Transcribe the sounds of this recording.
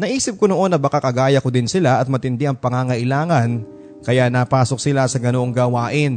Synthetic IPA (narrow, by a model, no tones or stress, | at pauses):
nɐʔiːsɪp̚konoʔo̞nːɐbɐkakɐɡaːjɐkod̪ɪnsɪlaʔɐt̪̚mɐt̪ɪnd̪ɪʔɐŋpɐŋaŋɐʔɪlaːŋɐn | kɐjanaːpaːsok̚sɪlasɐɡɐnoʔoŋɡɐːwaːʔɪn